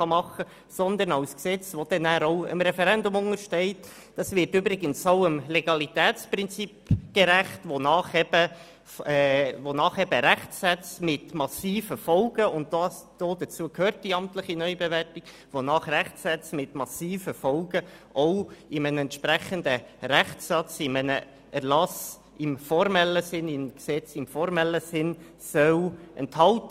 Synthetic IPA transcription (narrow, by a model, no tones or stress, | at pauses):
χɑmɑχə | sɔnd̪ənɑʊsksɛt͡svod̥ɛnæːɾɔʊə̰mɾɛfɛɾɛndʊmʊŋəɾʃtɛɪt | d̥ɑsvɪɾtybɾɪɡənsoʊəmleɡɑlitɛːt͡sprɪnt͡sipɡ̥eɾæχtʋonɑːχɛb̥ə | fɛvonɑːχɛbəɾæχtsɛt͡smɪtmɑsiːfəfɔlɡ̥əʊntd̥ɑsd̥oːd̪ət͡suəkhøːɾt̚d̥iɑmtləχinœʏbevɛrtiɡ̥ | ʋonɑːχɾæχtsɛt͡smɪtmɑsiːfəfɔlɡə | ʔɔʊɪmənɛnt̪ʃpɾæχənd̪əɾæχɑt͡sɪmənə | ʔɛɾlɑs | ɪmfɔɾmɛlːəsɪnɪnksɛt͡sɪmfɔɾmɛlːəsɪn | sœʊɛ̰nthɑlt